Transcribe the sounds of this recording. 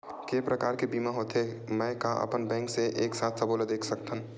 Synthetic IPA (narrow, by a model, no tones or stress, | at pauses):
kepɾəkaːɾkebiːmaɦoːt̪ɦe | mɛ̃ːkaʔə̰pənbɛ̃ːŋkseʔeːksaːt̪ʰsəboːləd̪eːkʰsək̚t̪ə̃